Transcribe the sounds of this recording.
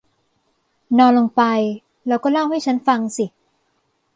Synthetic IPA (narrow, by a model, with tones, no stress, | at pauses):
nɔː˧nlo˧ŋpa˧j | ɾɛː˧wkɔː˥˩la˥˩wha˥˩jt͡ɕʰa˦˥nfa˧ŋsi˨˩